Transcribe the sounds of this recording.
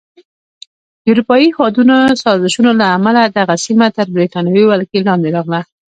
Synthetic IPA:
d̪əuɾupɑjiwɑd̪unosɑɾzɪʃunolaːmalad̪aɣasimat̪əɾbɾet̪ɑnawiwalkelɑnd̪eɾɑɣla

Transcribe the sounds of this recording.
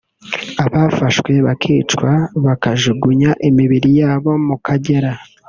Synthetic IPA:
aβafaʃwe̞βakʰiːt͡ʃkwaβakaʒuɡuɲaʔimiβiɾijaːβo̞mukʰaɟe̞ɾa

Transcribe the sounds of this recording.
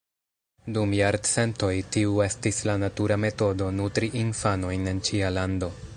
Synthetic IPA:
dumjaɾdse̞nto̞jtiue̞stislanatuɾame̞to̞do̞nutɾiʔinfano̞jne̞nt͡ʃialando̞

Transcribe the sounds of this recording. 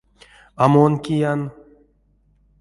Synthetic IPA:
amonkʲijan

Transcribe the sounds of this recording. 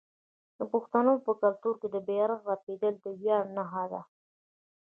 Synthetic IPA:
d̪̥əpʊxt̪anopəkalt̪uɾked̪əbeaɾɣɾaped̪əld̪əwjɑɽnaɦad̪a

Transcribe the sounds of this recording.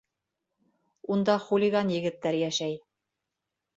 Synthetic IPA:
und̪ɑχulʲiɡɑnjɘ̆ɡɘ̆t̪ːæɾjæʃæj

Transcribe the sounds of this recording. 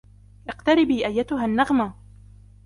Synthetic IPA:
ʔɪqt̪aɾɪbiːʔajːat̪ʊɦanːaɣma

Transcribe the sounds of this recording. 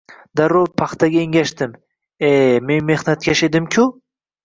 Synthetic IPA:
d̪aɾopʰaχt̪ʰaɡʲaeŋɡʲaʃt̪ɪm | eme̞nme̞hnat̪̚kʲʰaʃed̪ɪmkʰʲʊ

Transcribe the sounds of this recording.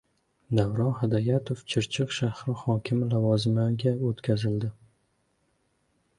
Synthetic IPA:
d̪avɾɒnɦad̪ajat̪ʰoft͡ʃʰɪɾt͡ʃʰɪqʃahɾɪhɒkʲʰɪmlavɒzɪmaɡʲaot̪kʲʰazɪld̪ɪ

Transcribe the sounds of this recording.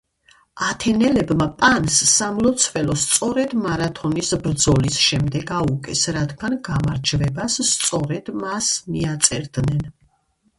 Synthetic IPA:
at̪ʰɛnɛlɛbmapʼansːamlˠɔt̪sʰvɛlɔst̪sʼɔɾɛd̪maɾat̪ʰɔnisbɾd̪zɔlisʃɛmd̪ɛɡaukʼɛsɾad̪ɡanɡamaɾd͡ʒvɛbasːt̪sʼɔɾɛd̪̥masmiat̪sʼɛɾd̪nɛn

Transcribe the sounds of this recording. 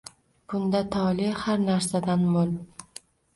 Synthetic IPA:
b̥ʊnd̪at̪ʰɒlɪhaɾnaɾsad̪anmol

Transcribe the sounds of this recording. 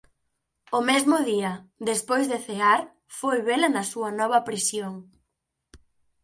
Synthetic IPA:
ʊmezmʊðiɐd̪espojzðeθeaɾ | fojβelɐnɐsuɐnɔβ̞ɐpɾisjoŋ

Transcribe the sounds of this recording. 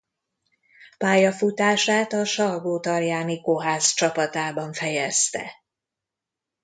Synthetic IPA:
paːjɒfut̪aːʃaːt̪ɒʃɒrɡoːt̪ɒrjaːnikoɦaːzt͡ʃɒpɒt̪aːbɒɱfɛjɛst̪ɛ̰

